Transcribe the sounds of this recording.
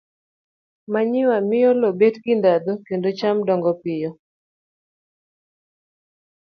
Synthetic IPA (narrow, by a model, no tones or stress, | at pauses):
maɲɪwamɪjɔlobetɡɪndad̪okendot͡ʃamdɔŋɡɔpɪjɔ